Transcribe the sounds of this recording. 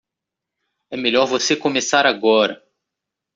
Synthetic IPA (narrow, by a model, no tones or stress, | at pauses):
ɛmeʎɔɾvosekõmesaɾaɡɔɾɐ